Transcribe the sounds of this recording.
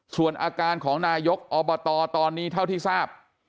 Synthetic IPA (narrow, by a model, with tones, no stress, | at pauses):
su˨˩ənʔaː˧kaː˧nkʰɔː˩˦ŋnaː˧jo˦˥k̚ʔɔː˧bɔː˧t̪ɔː˧t̪ɔː˧nːiː˦˥˩t̪ʰa˥˩wt̪ʰiː˥˩saː˥˩p̚